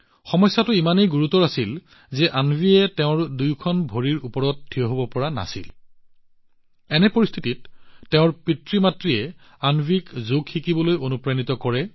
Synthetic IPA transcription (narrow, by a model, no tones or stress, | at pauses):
xɔmɔjsːatʊimanejɡuɹutɔɹasil | zɛʔanbʱiɛtɛʊ̃ɹdujkʰɔnbʱoɹiɹupɔɹɔt̚dʰʱijɔɦobɔpɔɹana̰sil | ɛnɛpoɹist̪ʰititːɛʊ̃ɹpɹitɹimatɹiɛ | anbʱikzoɡxikibɔlojonupɹanitɔkɔɹɛ